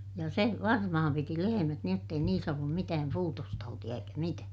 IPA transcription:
jɑ se ʋɑrmɑhɑm piti lehemæt niːj jotː ei niːs olːum mitæːm puːtostɑutij̆ɑ eikæ mitæː

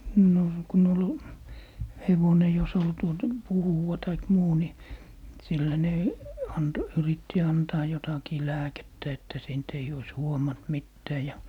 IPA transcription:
no kun ol heʋone jos ol tuotɑ̆ puhuʋɑ tɑik muː ni silːæ ne ɑnt yritːi ɑntɑː jotɑkiː læːketːæ etːæ siːnt eij ois huomɑnt mitːæː jɑ

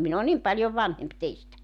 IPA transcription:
min o nim pɑljoʋ ʋɑnhemp teistæ

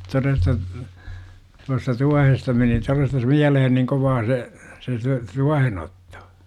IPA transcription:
torestɑ tuɑstɑ tuɑhestɑ meni torestɑs miælehen niŋ koʋɑː se se se tuɑhen otːo̥

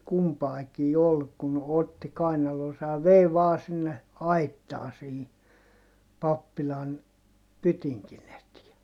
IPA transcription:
kumpɑikiː ol kun otːi kɑinɑloːsɑ jɑ ʋei ʋɑː sinːe ɑitːɑː sihi pɑpːilɑn pytiŋkin etiɛ

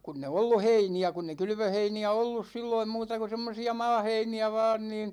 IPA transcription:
kunː e olːu heiniæ kunː e kylʋøheiniæ olːus silːoim muːtɑ ku̞ semːosiɑ mɑːheiniæ ʋɑːn niːn

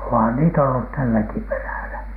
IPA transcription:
ohɑn niːtæ olːu tælːæki peræˑlæ

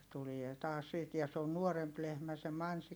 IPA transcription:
tulie tɑːs siːt jɑ se on nuoremp lehmæ se mɑnsik

